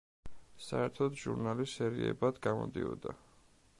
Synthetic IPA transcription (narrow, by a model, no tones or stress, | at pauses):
saɛɾt̪ʰɔd̪ʒuɾnalisɛɾiɛbad̪ɡamɔ̰d̪iɔd̪a